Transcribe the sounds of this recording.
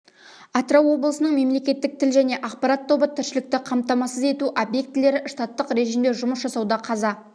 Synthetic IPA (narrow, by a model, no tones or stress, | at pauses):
ɑt̪ɾowwːo̞blˠəsənəɴme̞mle̞kʲe̞t̪ːɪk̚t̪ʰɪlʒæne̞ʔɑqpɑɾat̪ʰːo̞bət̪ʰɪɾʃɪlɪk̚t̪ɪqʰɑmt̪ɑmɑsəze̞t̪uʔobje̞k̚t̪ːɪle̞ɾɪʃt̪ɑt̪ːəqɾe̞ʒimd̪eʒʊməsʒɑsɑwd̪ɑqʰɑzɑ